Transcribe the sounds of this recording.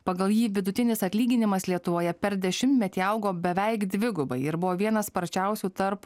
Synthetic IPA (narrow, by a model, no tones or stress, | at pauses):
pɐɡɐlˠjiːʋʲɪd̪ʊt̪ʲɪnʲɪsɐt̪ʲlʲiːɡʲɪnʲɪmɐslʲiɛt̪ʊʋoːjɛpʲɛɾd̪ʲɛʃʲɪmʲt̪ʲmʲɛt̪ʲiːɐʊɡoːbʲɛʋʲɛɪkd̪ʲʋʲɪɡʊbɐɪɪɾbʊʋoːʋʲiɛnɐspɐɾʲt͡ʃʲɛʊsʲuːt̪ɐɾp